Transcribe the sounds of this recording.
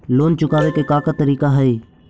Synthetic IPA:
loːnt͡ʃʊkaːʋeːkeːkaːkat̪əɾiːkaɦəiː

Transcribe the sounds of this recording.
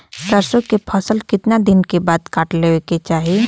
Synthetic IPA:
sɐɾsõkepʰɐsəlkɪt̪nad̪ɪnkebaːd̪kaːʈleeket͡ʃaːɦi

